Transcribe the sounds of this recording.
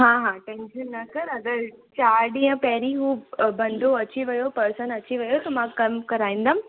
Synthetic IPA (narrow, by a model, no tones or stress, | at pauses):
ɦãːɦãːʈẽːnʃənːɐkɐɾɐɡ̪əɾt͡ɕaːɾɖĩɦə̃pɐɦɾiɦuːbɐ̃nd̪ʱoɐt͡ɕiʋɐjopɐɾsənɐt͡ɕiʋɐjot̪ɐmãːkɐmkɐɾaːĩːn̆d̪aːm̆